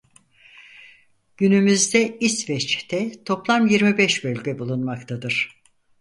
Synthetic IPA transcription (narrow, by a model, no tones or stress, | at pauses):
ɟ̥ynymyzd̪ɛisvɛt͡ʃt̪ʰɛt̪ʰo̞plˠamjiɾmibɛʃbølʲɟɛbulˠunmakt̪ʰad̪ɯɾ̥